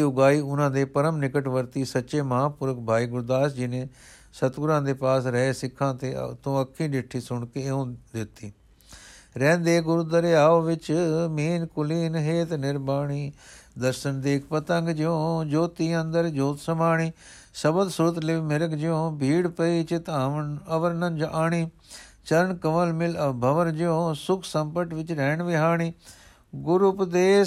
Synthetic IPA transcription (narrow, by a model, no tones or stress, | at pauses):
iːʊɡaːiːʊnãːd̪eːpəɾəmnɪkəʈʋəɾt̪iːsətːʃeːməɦãːpʊɾək̚ʰbʱaːiːɡʊɾd̪aːsd͡ʒɪnẽː | sət̪ɡʊɾãːd̪eːpaːsɾəeːsɪkʰːãːt̪ḛːt̪ːõːəkʰːiːɖɪʈʰːiːsʊɳkeːõːd̪ɪt̪ːiː | ɾɛ̃ːnd̪eːɡʊɾd̪əɾeːaːoːʋɪt͡ʃmiːnkʊliːnɦeːt̪nɪɾbaːɳiːd̪əɾʃənd̪eːkʰpət̪ə̃ŋɡd͡ʒjõːd͡ʒoːt̪iːə̃nd̪əɾd͡ʒoːt̪səmaːɳiː | səbəd̪suːt̪lɪmɪɾəɡd͡ʒjõːbʱiːɽpəiːt͡ʃɪt̪aːnəʋəɾnənd͡ʒʔaːɳiː | t͡ʃəɾəɳkəʋəlmɪlbʱəʋənd͡ʒjõːsʊkʰsəmpəʈʋɪt͡ʃɾɛːɳʋɪɦaːɳiː | ɡʊɾʊpd̪eː